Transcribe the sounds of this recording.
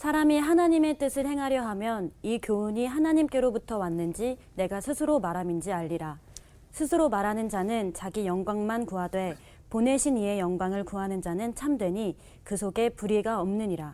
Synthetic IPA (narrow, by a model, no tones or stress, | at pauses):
sʰaɾamiɦanaɲime̞t͈ɯsʰɯɭhe̞ŋɦaɾjʌɦamjʌnikjoɲiɦanaɲimk͈e̞ɾobutʰʌwanːɯnd͡ʑi | ne̞ɡasʰɯsʰɯɾomaɾamind͡ʑiaʎːiɾa | sʰɯsʰɯɾomaɾanɯnd͡ʑanɯnt͡ɕaɡijʌŋɡwaŋmankuɦadwe̞ | pone̞ɕʰinie̞jʌŋɡwaŋɯɭkuɦanɯnd͡ʑanɯnt͡ɕʰamdwe̞ɲi | kɯsʰoɡe̞puɾiɡaʌmnɯɲiɾa